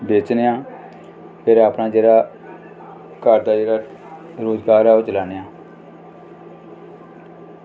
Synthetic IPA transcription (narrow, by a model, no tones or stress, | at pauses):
beːt͡ʃneãː | pʰeːɾaːpnãːd͡ʒeːɽaː | kəɾd̪aːd͡ʒeːɽaː | ɾoːzɡaːɾaːoːt͡ʃəlaːneãː